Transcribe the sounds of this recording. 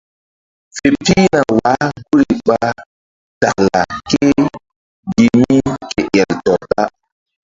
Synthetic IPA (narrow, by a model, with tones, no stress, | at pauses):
fe˨tiː˦na˨wa˨˦ɡu˦ɾi˨ɓa˦ | ta˨kla̰˨ke˦ | ɡi˨mi˦ke˨ʔɛ˨ltɔ˨ta˦